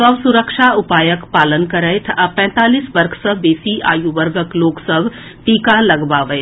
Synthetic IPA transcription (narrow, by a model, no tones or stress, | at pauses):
sɐbsuɾəkʃaʊpaːjəkpaːlənkɐɾəjt̪ʰɐpɛ̃ːt̪aːliːsbɐɾkʰsəbeːsiʔa̰ːjuʋəɾɡəkloːksəbʱ | ʈiːkalɐɡbaːʋəe